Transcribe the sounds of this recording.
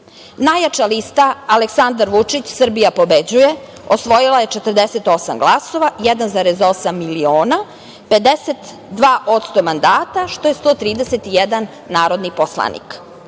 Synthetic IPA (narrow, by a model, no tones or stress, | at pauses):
najat͡ʃalist̪aːleksand̪aɾʋut͡ʂit͡ɕsr̩bijapo̞bed͡ʑuje | osʋo̞jilˠaje̞t͡ʂet̪ər̩d̪eset̪o̞samɡlˠaso̞ʋajɛd̪anzaːɾezo̞samːilioːna | ped̪eset̪ | d̪ʋaːʔo̞t̪st̪omand̪aːt̪aʃt̪o̞je̞st̪o̞ːt̪ɾiːd̪eset̪ijed̪anːaːɾo̞d̪niposlˠa̰nḭk